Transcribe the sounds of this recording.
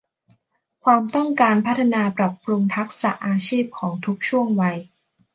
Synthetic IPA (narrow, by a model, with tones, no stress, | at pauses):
kʰwaː˧mt̪ɔ˥˩ŋkaː˧npʰa˦˥t̪̚ʰa˧naː˧pɾa˨˩p̚ːɾu˧ŋt̪ʰa˦˥k̚sa˨˩ʔaː˧t͡ɕʰiː˥˩p̚kʰɔː˩˦ŋt̪ʰu˦˥k̚t͡ɕʰu˥˩əŋwa˧j